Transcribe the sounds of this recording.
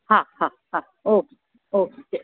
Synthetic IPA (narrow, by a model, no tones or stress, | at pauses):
hãhãhã | ok | oke